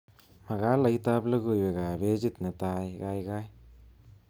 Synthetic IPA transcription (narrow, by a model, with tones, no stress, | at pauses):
ma˨ɡa˦la˧jt̪a˦blə˦ɡu˧˨jbe˨ɡa˨be˦d͡ʒi˦˨t̪nə˨t̪a˧jɡa˧jɡa˦j